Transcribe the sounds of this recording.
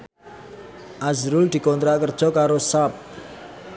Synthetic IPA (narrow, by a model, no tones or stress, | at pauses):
ʔazɾʊld̪̥i̤kɔnt̪ɾaʔkərd̥ʒ̥ɔ̤kaɾosap̚